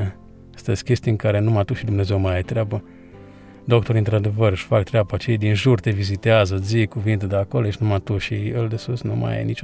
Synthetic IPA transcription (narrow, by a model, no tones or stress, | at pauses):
st̪əesʲkʲe̞st̪ieɨŋkaɾe̞numat̪uʃid̪umnezewmaaet̪ɾʲeabə | d̪o̞k̚t̪o̞ɾɨnt̪ɾad̪e̞vərɨʃfakt̪ɾeabat͡ʃejad̪inʒurt̪e̞vizit̪eazəd̪zikuvint̪ed̪eakoloeʃnumat̪uʃiəld̪esusnṵma̰jḛnit͡ʃ